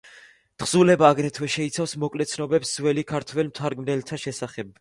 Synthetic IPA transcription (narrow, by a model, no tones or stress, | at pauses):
t̪χz̥ulɛbaːɡɾɛt̪ʰwɛʃɛit̪sʰafsmɔkʼlɛt̪sʰnɔbɛpszwɛlikʰaɾt̪ʰwɛlmt̪ʰaɾɡmnɛlt̪ʰaʃɛsaχɛb̚